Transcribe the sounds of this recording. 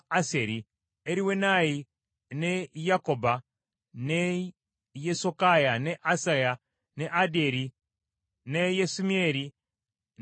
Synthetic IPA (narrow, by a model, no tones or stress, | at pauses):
aseɾi | eɾiwenaji | nejakoba | ne | jesokajaneʔasaja | neʔadeɾi | nejesumieɾi